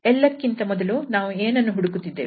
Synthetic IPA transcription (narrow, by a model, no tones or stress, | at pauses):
ɛlːɐkːint̪ɐmɔd̪ɐlunaːʋueːnɐnːuɦuɽukut̪ːid̪ːeː